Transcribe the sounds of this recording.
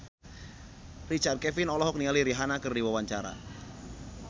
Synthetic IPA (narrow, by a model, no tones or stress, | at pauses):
rit͡ʃart̪̚kɛfɪnɔlɔɦɔk̚niŋaliɾiɦanakɨrdiwawaɲt͡ʃaɾa̰